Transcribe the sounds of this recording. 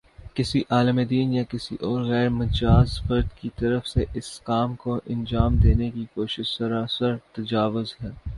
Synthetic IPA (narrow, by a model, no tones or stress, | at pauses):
kɪsiʔaːləmed̪iːnjakɪsiʔɔːɾɣɛːɾmɐt͡ʃaːzfɐɾd̪kit̪ɐɾəfseʔɪskaːmkoʔɪ̃nd͡ʒaːmd̪eːnekikoːʃɪʃsɐɾaːsəɾt̪ɐd͡ʒaːʋʊzɦɛː